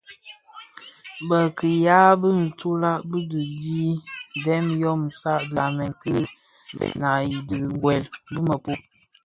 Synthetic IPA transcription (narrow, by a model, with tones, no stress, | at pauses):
bə˨kə˨ja˦bə˦n̩˨tu˦la˦ʔbə˦də˨di˦˨dɛ˦mjɔ˦m̩˨sa˦ʔda˨mɛ˨ŋ˨kɨ̰˦˨ | na˨ji˨dɨ˨ɡɡwɛ˨lbə˦mə˨pu˦